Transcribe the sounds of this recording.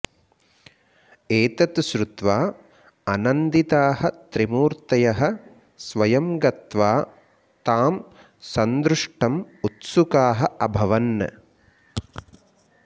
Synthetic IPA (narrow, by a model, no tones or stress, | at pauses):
eːt̪ɐt̪ʃɾut̪ʋaː | ɐnɐnd̪it̪aːɦɐ̆t̪ɾimuːɾt̪ɐjɐɦɐ̆ | sʋɐjɐmɡɐt̪ʋaː | t̪aːm | sɐnd̪ɾuʂʈʰɐmut̪sukaːɦɐɐbʱɐʋɐnːɐ̰